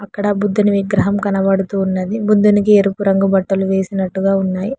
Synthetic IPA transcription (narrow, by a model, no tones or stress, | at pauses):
ɐkːɐɽɐbud̪ːuniʋiɡɾɐɦɐmkɐnɐʋɐɽut̪uːnːɐd̪ibud̪ːunikieɾupuɾɐŋɡubɐʈːɐluʋe̞ːsinɐʈːuɡaːunːaːji